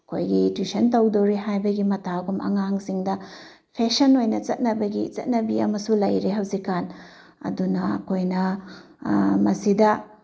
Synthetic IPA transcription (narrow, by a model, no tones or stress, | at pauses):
ɐkʰojɡitwisɐntɐwdɐwɾeɦajbɐɡimɐtʰaɡumʔɐ̰ŋaŋsiŋdɐ | pʰesɐnojnɐt͡ʃɐt̚nɐbɐɡit͡ʃɐ̰t̚nɐbiɐmɐsulɐjɾeɦɐwzikːan | ɐ̰dunɐɐ̰kʰojnɐ | mɐsidɐ